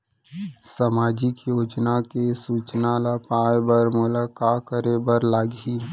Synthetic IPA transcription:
samaːd͡ʒɪkjoːd͡ʒnakesuːt͡ʃnalapaːebəɾmʊlakakəɾebəɾlaːɡi

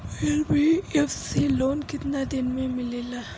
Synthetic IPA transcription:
ɛlbiɛfsiloːnkɪt̪nad̪enmẽmɪlila

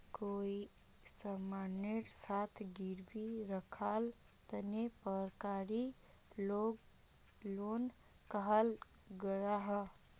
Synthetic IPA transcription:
koi | səmaneɾsat̪ʰɡiɾbiɾəkʰal | t̪ənepəɾkaɾi | o | lon | kəɦəl | ɡəɾaɦə

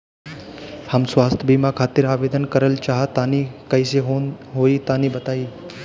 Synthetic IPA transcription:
həmsʋaːst̪ʰəbiːmakʰaːt̪ɪɾaːʋeːd̪ənkəɾəlt͡ʃaːɦət̪anikəiseɦoɦoːit̪aːnibət̪aːiː

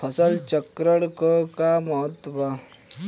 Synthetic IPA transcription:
əsəlt͡ɕəkɾəɽkəkaməɦət̪ːʋa

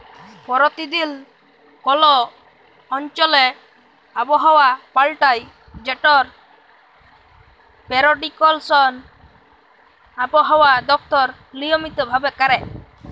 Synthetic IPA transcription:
pɔɾɔt̪id̪il | kɔlɔː | nt͡ʃɔlɛ | abɔɦɔwapalʈaj | d͡ʒɛʈɔɾ | pɛɾɔɖikɔlsɔn | abɔɦɔwad̪ɔk̚t̪ɔɾ | lijɔmit̪ɔbʱabɛkaɾɛ

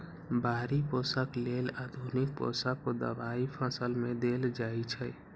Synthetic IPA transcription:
baːɾiposaklelad̪ʱunik̚po̰sakod̪ə̰ʋaipʰasəlmẽd̪eld͡ʒaːit͡ʃʰə

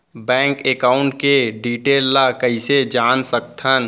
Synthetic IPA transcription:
bɛ̃ːŋkeːkaːʊ̃ɳʈkeɖiːʈeːlːakəised͡ʒaːnsəkt̪ʰən

